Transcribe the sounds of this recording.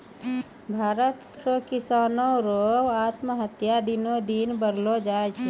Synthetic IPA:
bʱaːɾət̪ɾokisaːnoɾoat̪məɦət̪jad̪inod̪inbəɾlod͡ʒaet͡ʃʰɛ

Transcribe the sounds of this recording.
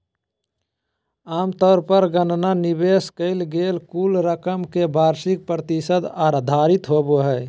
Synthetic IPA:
aːmt̪ɔːɾpəɾɡənnanɪbeːskəɪlɡeːlkuːlɾəkəmkebʱaːɾsɪk̚pɾət̪ɪsəd̪aːɾd̪ʱaːɾɪt̪ɦoboɦɛː

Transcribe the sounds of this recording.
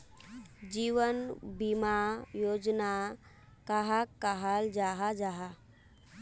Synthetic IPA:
d͡ʒiʋənbimajoːd͡ʒna | kaɦakːaɦald͡ʒaɦad͡ʒaɦa

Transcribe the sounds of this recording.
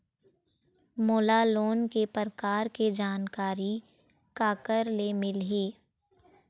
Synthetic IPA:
moːlaloːnkepəɾəkaːɾked͡ʒaːnkaːɾi | kaːkəɾlemɪlɦeː

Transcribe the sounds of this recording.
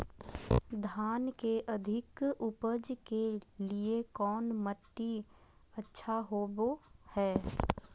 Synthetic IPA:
d̪ʱaːnkeʔɐd̪ʱɪkʊpəd͡ʒkeliekɔːnməʈːi | ətːʃʰaɦobohɛː

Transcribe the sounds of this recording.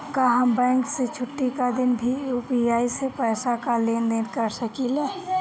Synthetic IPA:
kaɦəmbɛ̃ːŋkset͡ʃʰʊʈːikad̪ɪnbʱijupiaːisepɛːsakaleːnd̪eːnkəɾsəkileː

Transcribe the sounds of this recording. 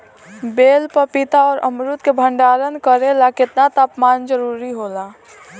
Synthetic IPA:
beːlpəpɪt̪aɔːɾʔə̰mɾʊt̪kebʱə̃ɳɖaːɾənkəɾelakɪt̪nat̪aːpmaːnd͡ʒəɾuːɾiɦoːlaː

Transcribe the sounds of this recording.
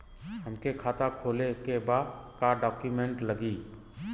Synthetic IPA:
ɦəmkekʰaːt̪akʰoːlekebaːd̪kaɖɔːkjumẽɳʈləɡi

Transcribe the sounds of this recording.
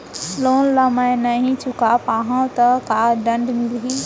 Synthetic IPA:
loːnlɐmajnɐɦĩt͡ʃʊkapaːɦãt̪ɐkaːɖɐ̃ɳɖmɪlɦiː

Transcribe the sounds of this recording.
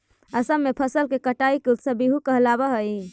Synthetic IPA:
əsəmːepʰəsəlkekəʈaikeut̪səbiɦukəɦlabəɦəi

